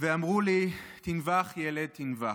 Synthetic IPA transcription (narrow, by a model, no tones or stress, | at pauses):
veamʁulit̪invaχjɛled̪̚t̪inva